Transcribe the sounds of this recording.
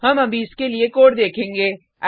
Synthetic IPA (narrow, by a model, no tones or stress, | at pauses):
hɐmɐbʱiɪskeliekoːɾd̪eːkʰẽːŋɡeː